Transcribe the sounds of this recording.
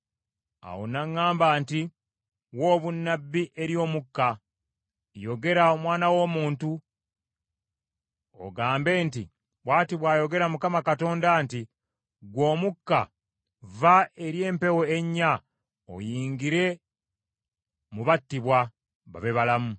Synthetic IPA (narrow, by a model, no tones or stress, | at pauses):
a̰wo̰naŋːaːmbaːnti | wo̞ːβunːabːiʔe̞ɾjo̞ːmukːa | jo̞ɡe̞ɾaomwaːnawo̞ːmuːntu | o̰ɡaːmbe̞ːnti | βwaːtiβwaːjo̞ɡe̞ɾamukamakato̞ːndaːnti | ɡwo̞ːmukːa | vae̞ɾje̞ːmpe̞woeɲːa | o̰jiːŋɡiɾe̞ | muβatːiβwa | βa̰βeβalamu